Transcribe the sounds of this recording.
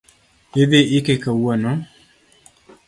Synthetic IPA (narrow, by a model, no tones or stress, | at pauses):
eðeɪkekawono